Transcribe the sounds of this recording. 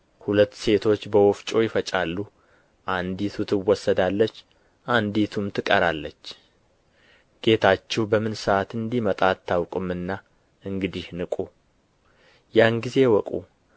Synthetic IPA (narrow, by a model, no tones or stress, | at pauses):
hulət̪ːse̞t̪ʰo̞t͡ʃːbəwɔft͡ʃʼo̞jɪfət͡ʃʼalːu | ʔand̪it̪ʰut̪ʰɨwːɔsːəd̪alːət͡ʃː | ʔand̪it̪ʰumt̪ʰɨkʼəɾalːət͡ʃː | ɡ̥e̞t̪ʰat͡ʃːɛwbəmɨnsəat̪ɨnd̪imət̪ʼat̪ʰːawkʼɨmɨnːa | ʔɨŋɡɨd̪ihnɨkʼu | janɡize̞wɔkʼṵ